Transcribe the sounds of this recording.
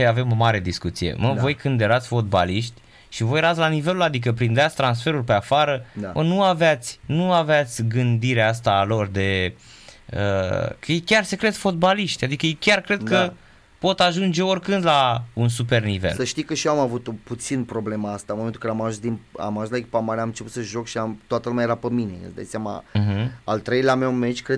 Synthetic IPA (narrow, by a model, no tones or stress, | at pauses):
ave̞mo̞maɾe̞d̪iskut̪sije̞̰məvo̞jkɨnd̪jeɾat̪sʲfo̞t̪̚ba̰liʃt̪ʲ | ʃivojeɾat̪sʲlanive̞lulad̪ik̬əpɾind̪eat̪sʲt̪ɾansfe̞ɾulʲpe̞afaɾəamənuaveat̪sʲnuaveat̪sʲɡɨnd̪iɾeas̬t̪alo̞rd̪e̞ | ə̰kjekʲarse̞kɾe̞t̪fo̞t̪̚baliʃt̪ʲad̪ikəjekʲarkɾe̞d̪kə | po̞t̪aʒund͡ʒe̞o̞rkɨnd̪launs̬upe̞rnivelsəʃt̪ijkəʃiamavut̪oput̪sinpɾo̞bleməast̪adnmoment̪ukaɾeamaʒũsd̪ina̰maʒũst̪laekʲipamaɾeamɨnt͡ʃeput̪səʒo̞kʃiamt̪oat̪əlumʲajeɾapəminḛə̰sd̪a̰jsjamã̰ɦm̩alt̪ɾejlamewmet͡ʃʲkɾe